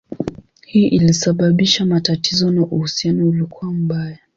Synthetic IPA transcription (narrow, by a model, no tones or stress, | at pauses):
hiːʔilisaɓaɓiʃamatatizɔnaʔuhusianɔulikuam̩ɓaja